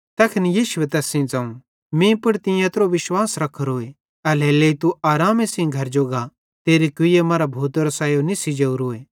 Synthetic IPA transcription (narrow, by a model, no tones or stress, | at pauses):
t̪ɐːkʰɪnijiːʃʊwet̪ɛːsĩd͡zãːũ | mĩpʊɽt̪ɪ̃jãt̪ɾoʋɪʃwaːsɾɐkʰːəɾoːe | ɐleːleit̪uaːɾaːmesĩɡʱɐɾd͡ʒoːɡa | t̪eːɾikʊɪjemaːɾabʱuːt̪ɾosaːjonisid͡ʒeːuɾoːeː